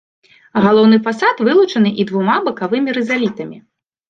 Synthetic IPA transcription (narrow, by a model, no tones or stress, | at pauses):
ɣalˠɔwnɨfasat̪vɨlˠut͡ʂɐnɨʔid̪vumabɐkavɨmʲiɾɛzalʲit̪ɐmʲi